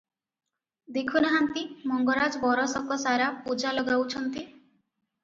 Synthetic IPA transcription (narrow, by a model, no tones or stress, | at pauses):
d̪ekʰunaɦant̪imɔŋɡɔɾad͡ʒɔbɔɾɔsɔkɔsaɾapud͡ʒalɔɡawt͡ʃʰɔnt̪i